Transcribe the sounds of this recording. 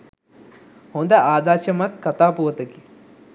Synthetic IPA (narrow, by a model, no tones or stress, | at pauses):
hond̪ɐʔaːd̪aːt͡ʃɐmɐt̪̚kɐt̪aːpuʋɐt̪ɐki